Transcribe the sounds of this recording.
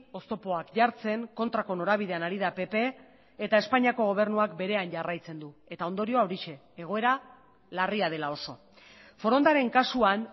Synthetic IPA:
o̞st̪o̞po̞akʝaɾt͡se̞ŋko̞nt̪ɾako̞no̞ɾaβ̞iðe̞anaɾið̞ape̞pe̞ː | t̪ae̞spaɲiako̞ɣ̞o̞β̞e̞ɾnuakbe̞ɾe̞anɟarajt͡se̞nd̪ue̞t̪ao̞nd̪o̞ɾio̞aoɾiʃe̞ːɣ̞o̞e̞ɾa | lariað̞e̞lao̞so̞ | fo̞ɾo̞nd̪aɾe̞ŋkasuan

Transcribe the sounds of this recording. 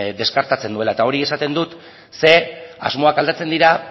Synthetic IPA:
d̪e̞skaɾt̪at͡se̞nd̪ue̞laet̪ao̞ɾie̞sat̪e̞nd̪ut̪ | se̞a̰zmo̞akald̪at͡se̞nd̪iɾa

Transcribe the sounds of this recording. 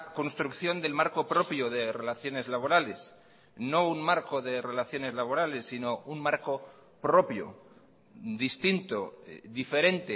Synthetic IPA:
ko̞nst̪ɾukθjo̞nd̪e̞lmaɾko̞pɾo̞pjoðe̞re̞laθjo̞ne̞zlaβ̞o̞ɾale̞s | no̞unmaɾko̞ðe̞re̞laθjo̞ne̞zlaβ̞o̞ɾale̞sːino̞unmaɾko̞ | pɾo̞pjo̰ | d̪ist̪int̪o̞ðife̞ɾe̞nt̪e

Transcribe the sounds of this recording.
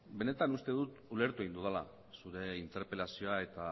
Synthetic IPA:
be̞ne̞t̪anust̪e̞ðut̪ule̞ɾt̪ue̞ind̪uðala̰ | suɾe̞int̪e̞ɾpe̞lasio̞ae̞t̪a

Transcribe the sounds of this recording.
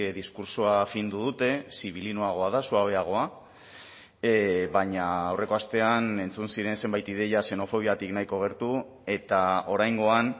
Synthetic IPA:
ðiskuɾsuafind̪uðut̪e̞siβ̞ilinoaɣ̞o̞aðasuaβe̞aɣ̞o̞a | βaɲaːwre̞ko̞ast̪e̞ane̞nt͡sunsiɾe̞nse̞mbajt̪iðe̞jase̞no̞fo̞β̞iat̪iknajko̞ɣ̞e̞ɾt̪u | e̞t̪ao̞ɾajŋɡo̞an

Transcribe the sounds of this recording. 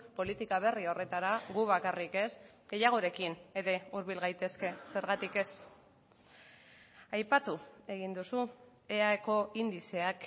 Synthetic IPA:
po̞lit̪ikaβ̞e̞rio̞re̞t̪aɾaɣuβakarike̞s | ɡe̞jaɣ̞o̞ɾe̞kine̞ɾe̞uɾβ̞ilɣajt̪e̞ske̞se̞ɾɣat̪ike̞s | ajpat̪ue̞ɣind̪usu | e̞aeko̞ind̪ise̞ak

